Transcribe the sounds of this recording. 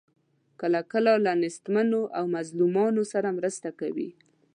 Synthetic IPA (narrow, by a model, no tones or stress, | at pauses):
kəlakəlalanɪst̪manoʔawmazlumɑnosaɾamɾəst̪akawḭ